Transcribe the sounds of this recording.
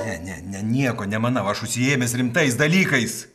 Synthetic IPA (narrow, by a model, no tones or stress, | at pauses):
nʲɛnʲɛnʲɛnʲiɛkoːnʲɛmɐnɐʊɐʃʊʃʲsʲɪeːmʲɛsrʲɪmt̪ɐɪs̬d̪ɐlʲiːkɐɪs